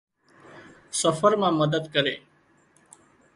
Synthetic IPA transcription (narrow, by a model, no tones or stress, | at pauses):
səfəɾmãːməd̪əd̪kəɾeː